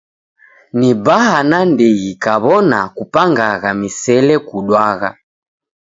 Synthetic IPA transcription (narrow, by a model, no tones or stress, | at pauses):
nibahanandiɣikaβɔna̰kupaŋɡaɣamisɛlɛkuɗwaɣa̰